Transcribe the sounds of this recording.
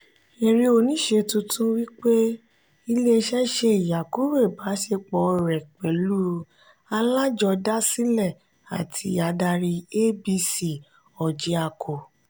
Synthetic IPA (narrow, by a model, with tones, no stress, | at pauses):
e˨ɾi˧o˧nĩ˨˦ʃe˧tũ˧tũ˦wi˦k͡pe˦ | i˧le˦˧ʃɛ˦ʃe˧i˨ja˨ku˦ɾe˦˨ba˨˦ʃe˧k͡pɔ˨˧˨ɾɛ˨k͡pɛ˨lu˦ | a˧la˦d͡ʒɔ˧da˦si˦lɛ˦˨ | a̰˨tʰi˨˧˦a˨˦da˧ɾi˧e˦bi˧si˨ | ɔ˨d͡ʒi˧˦a˧˨kʰo˨